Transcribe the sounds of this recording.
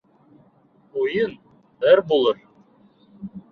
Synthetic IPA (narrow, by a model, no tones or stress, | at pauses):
ujɤn | æɾbulˠɤɾ